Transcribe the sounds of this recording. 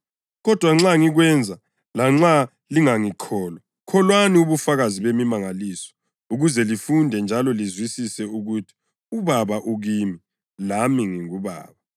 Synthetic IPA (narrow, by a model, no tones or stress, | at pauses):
ɣɔd̥ʱwaŋ͡ǁaŋiɣwɛnd͡zʱa | laŋ͡ǁa | liŋaŋikʰɔːlɔ | kʰɔlwaniuβufaɣaziβemimaŋalisɔ̥ | uɣuzɛlifundʱɛnd͡ʒʱalɔlizwisisɛuɣutʰi̥ | uβaβaʔuɣiːmi | lamiŋiŋuβa̰ːβa